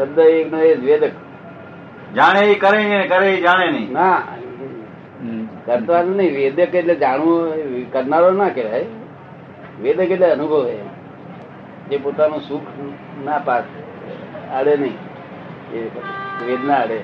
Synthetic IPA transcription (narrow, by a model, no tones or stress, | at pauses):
səd̪əeknoed͡ʒʋed̪ək | d͡ʒaɽ̃eikəɾeŋinekəɾeid͡ʒaɽ̃enəĩna | kəɾt̪ʋanunəĩʋed̪əkeʈled͡ʒaɽũkəɾnaɾonakeʋaj | ʋed̪əkeʈleənubʱəʋe | d͡ʒepot̪anũsukʰ | napas | əɽenəĩ | eʋed̪naəɽe